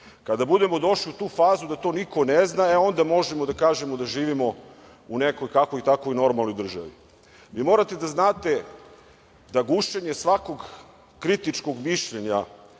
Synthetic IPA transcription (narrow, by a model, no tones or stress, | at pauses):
kad̪abud̪e̞mo̞d̪o̞ʃliut̪uːfaːzud̪at̪o̞ːniko̞neznaeo̞nd̪amo̞ʒemod̪akaːʒe̞mod̪aʒiːʋimo̞ | unekojkako̞it̪akoino̞ɾmalno̞jd̪r̩ʒa̰ʋḭ | ʋiːmo̞ːɾat̪e̞d̪aznaːt̪e̞ | d̪aɡuʃe̞ɲesʋako̞ɡ | kːɾit̪it͡ʃko̞ɡmiʃʎeɲa